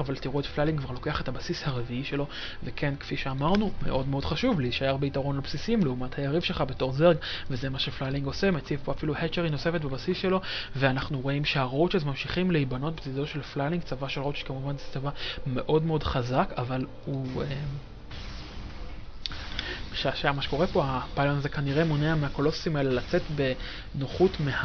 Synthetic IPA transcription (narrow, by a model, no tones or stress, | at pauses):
avaltiʁuetflaliŋɡkvaʁlo̞ke̞aχe̞thabasishaʁeviiʃe̞lo̞ | vekʰe̞nkfiʃeamaʁnume̞̰ʔo̞dmeo̞d̥χaʃuvliiʃajaʁbeitaʁo̞nlabsisimleumathajaʁivʃe̞lχabe̞to̞ʁzeɡvezemaʃeflaliŋɡo̞semet͡sivpoafiluhet͡ʃeʁino̞se̞fetbebasisʃe̞lo̞veanaχnuʁo̞imʃeaʁot͡ʃezmamʃiχimleibano̞t̚bet͡sidoʃe̞lflaliŋɡt͡savaʃelʁot͡ʃʃkamuvanzet͡savame̞ʔo̞dmeo̞dχazakaval | huem | ʃaʃajamaʃeko̞ʁepo̞apalonazekaniʁemuneamehako̞loso̥simae̞lelat͡setbe̞ | noχutmeha